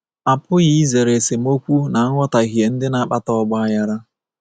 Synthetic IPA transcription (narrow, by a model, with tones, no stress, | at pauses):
a˨pʊ˦ɣi˦ze˨ɾe˨se˨m̩˦o˦kʷu˦na˨˦ŋʷɔ˦ta˨ɣi˨e˨n̩˦dɪ˦na˨˦k͡pa˦tɔ˦˨ɡ͡ba˦a˦ja˦ɾa˦